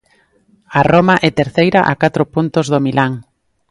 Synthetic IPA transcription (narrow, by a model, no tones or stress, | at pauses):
aromaʔɛt̪eɾθejɾaʔa̰kat̪ɾʊpunt̪ʊzðomilʔaŋ